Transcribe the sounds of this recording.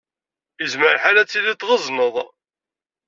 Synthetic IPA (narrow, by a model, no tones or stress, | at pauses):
izməɾħalæt͡sːiðit̪ˤːʁəzˤnəðˤ